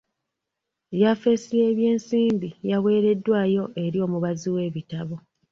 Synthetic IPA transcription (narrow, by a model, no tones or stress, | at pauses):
jafe̞sie̞ːβje̞ːnsiːmbijawe̞ːɾe̞dːwaːjo̞ʔe̞ɾio̞ːmuβaziwe̞ːβitaβo̞